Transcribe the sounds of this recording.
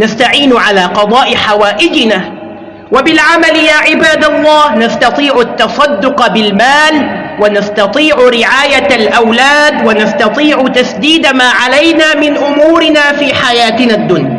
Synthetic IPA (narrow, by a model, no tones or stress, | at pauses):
nast̪aʕiːnʕalaːqɑd̪ˤɑːʔɪħawaːʔɪd͡ʒɪnaː | wabɪlʕamaljaːʕɪbaːd̪alˤːɑːhnast̪ɑt̪ˤiːʕʊt̪ːɑsˤɑd̪ːʊqbɪlmaːlwanast̪ɑt̪ˤiːʕɾɪʕaːjalʔawlaːd̪wanast̪ɑt̪ˤiːʕʊt̪asd̪iːd̪amaːʕalajnaːmɪnʔʊmuːɾɪnaːfiːħajaːt̪nad̪ːʊnja